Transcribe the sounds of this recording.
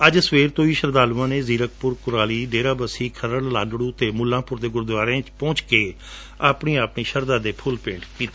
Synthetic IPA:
əd͡ʒsʋeːɾt̪õːiːʃəɾd̪aːluʋãːneːziːɾək̚pʊɾkʊɾaːliːɖeːɾaːbəsiːkʰəɾəɽla̰ːnɽuːt̪eːmʊlːãːpʊɾd̪eːɡʊɾd̪ʋaːɾeãːt͡ʃpɔ̃ːt͡ʃkeː | aːpɳiːaːpɳiːʃəɾd̪aːd̪eːpʰʊlpḛ̃ːɳɖkiːt̪ː

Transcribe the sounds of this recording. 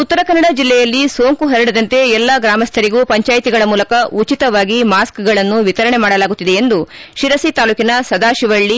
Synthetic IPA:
ut̪ːɐɾɐkɐnːɐɽɐd͡ʒilːɛjɐlːiso̞ːŋkuɦɐɾiɽɐd̪ɐnt̪e̞ɛlːɐɡɾaːmɐst̪ʰɐɾiɡuːpɐɲt͡ʃaːjit̪iɡɐɭɐmuːlɐkɐut͡ʃit̪ɐʋaːɡimaːskɡɐɭɐnːuʋit̪ɐɾɐɳemaːɽɐlaːɡut̪ːid̪e̞end̪uʃiɾɐsit̪aːluːkinɐsɐd̪aːʃiʋɐɭːi

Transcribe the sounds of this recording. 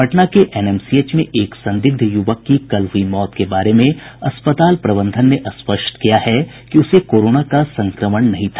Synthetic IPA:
ɐʈnakeʔɛːnɛːmsieːt͡ʃmẽʔeːksɐ̃nd̪ɪɡ̚d̪ʱjʊʋəkːikɐlɦʊimɔːt̪kebaːɾemẽɐ̰spət̪aːlpɾɐbə̃nd̪ʱənːeʔɐspəʃʈkijaɦɛ | kiʊsekoːɾoːnakasɐ̃ŋkɾəməɳnɐɦĩt̪ʰḁː

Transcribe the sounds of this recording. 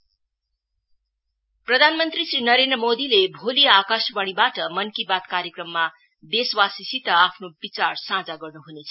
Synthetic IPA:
prʌd̪ʱanmʌnt̪risrinʌɾend̪rʌmod̪ilebʱoliakasbʌɽ̃ibaʈʌmʌnkibat̪kaɾjekrʌmːa | b̪eswasisit̪ʌapʰnobit͡sarsãd͡zaɡʌrnuɦunet͡sʰʌ

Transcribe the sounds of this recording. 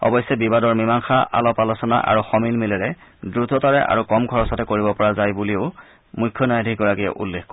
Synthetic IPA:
ɔ̰bɔjsːɛbibadɔɹmimaŋxaʔa̰lɔpalɔsɔna̰ʔa̰ɹuxɔmilmilɛɹɛ | dɹutɔtaɹɛʔa̰ɹukɔmɡʱɔɹɔsatɛkoɹibɔpɔɹazajbuliʊ | mujkʰːɔnajadʱik̚ɡɔɹakijɛ̰ʔṵlːexk

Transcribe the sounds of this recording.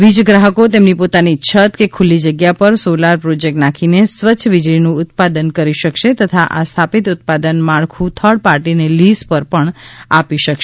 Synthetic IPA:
ʋid͡ʒɡɾaɦəkot̪emnipot̪anit͡ʃʰət̪kekʰulːid͡ʒəɡjapəɾsolaɾpɾod͡ʒek̚ʈnakʰinesʋəːt͡ʃʰʃʰəʋid͡ʒɾinũʊt̪̚pad̪ənkəɾiʃəkʃet̪ət̪ʰaʔast̪ʰapit̪ʊt̪̚pad̪ənmaɭkʰũt̪ʰəɽpaɾʈinelispəɾpəɳa̰piʃəkʃe

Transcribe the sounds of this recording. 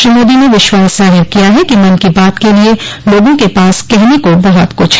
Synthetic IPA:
ʃɪmoːd̪ineʋɪʃwaːszaːɦɪɾkijaɦɛkimɐnkibaːt̪kelieloːɡõkepaːskɛɦnekobɐɦɔt̪kʊt͡ʃʰ

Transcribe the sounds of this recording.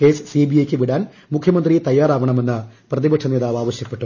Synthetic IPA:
ke̞ːssiːbijɐjkʲːɨʋiɽaːn | mukʰjɐmɐnd̪rit̪ɐjːaːɾaːʋɐɳɐme̞nːɨprɐðibɐʈʂɐneːðaːʋaːʋɐɕjɐpːe̞ʈːu

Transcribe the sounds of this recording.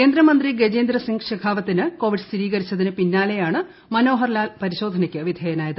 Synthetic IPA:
kke̞ːnd̪ɾɐmɐnd̪riɡed͡ʑeːnd̪rɐsiŋɡɕɐɡʰʱaːʋɐt̪ːinɨko̞ːʋiɖɨst̪ʰiɾiːɣɐɾit͡ɕːɐðinɨpinːaːle̞jaːɳɨ | mɐno̞ːɦɐrlaːlpɐɾiɕo̞ːd̪ʱɐnɐkʲːɨʋid̪ʱeːjɐnaːjɐðɨ

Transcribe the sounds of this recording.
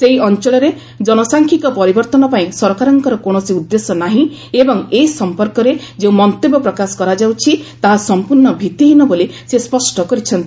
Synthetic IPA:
seɦiɔnt͡ʃɔɭɔɾe | d͡ʒɔnɔsaŋkʰikɔpɔɾibɔɾt̪ɔnɔpaĩsɔɾɔkaɾɔŋkɔɾɔkoɳ̃ɔsiud̪ːesɔnaɦĩ | ebɔŋeisɔmpɔɾkɔɾed͡ʒeũmɔnt̪ebɔpɾɔkasɔ̥kɔɾad͡ʒawt͡ʃʰit̪aɦasɔmpuɾɳɔbʱit̪iɦinɔbolisespɔsʈɔkɔɾit͡ʃʰɔnt̪i

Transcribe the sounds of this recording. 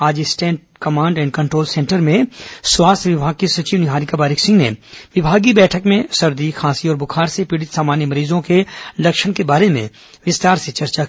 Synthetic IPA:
aːd͡ʒɪsʈɛ̃ːɳʈ̚kɐmãːɳɖɛ̃ːɳɖkɐ̃ɳʈɾoːlsɛ̃ːɳʈəɾmẽswaːst̪ʰʋɪbʱaːɡ̚kisɐt͡ʃiːʋnɪɦaːɾikabaːɾɪksɪ̃ŋɡnḛʋɪbʱaːɡibɛːʈʰəkmẽsɐɾd̪ikʰãːsiɔːɾbʊkʰaːɾsepiːɽɪt̪saːmaːnjəmɐɾiːzõkelɐkʃəɽ̃kebaːɾemḛ̃ | ʋɪst̪aːɾset͡ʃɐɾt͡ʃa

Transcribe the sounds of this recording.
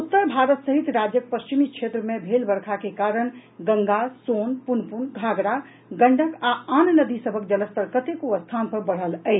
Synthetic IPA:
ut̪ːəɾbʱaɾət̪səɦit̪ɾad͡ʒjək̚pəst͡ʃimikt͡ʃʰet̪ɾəmebʱelbəɾkʰakekaɾəɽ̃ɡə̃ŋɡasonpunəpuɳɡʱaɡɾa | ɡəɳɖʱəkaannəd̪isəbʱək̚d͡ʒələst̪əɾkət̪ekuəst̪ʰanpəɾbəɽ̤ələɪt͡ʃʰ

